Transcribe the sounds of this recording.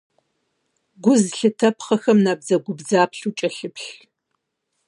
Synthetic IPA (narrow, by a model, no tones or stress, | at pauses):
ɡʷʊzɬɨtʰɐpʰχɐxɐmnaːbzɐɡʷʊbzaːpʰɬut͡ʃʼɐɬɨpʰɬ